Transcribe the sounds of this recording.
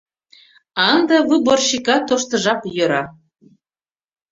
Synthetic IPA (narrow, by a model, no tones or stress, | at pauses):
ɑnd̪ɤ̆βɨborɕikɑt̪oʃt̪ɤ̆ʒɑpjø̆ɾɑ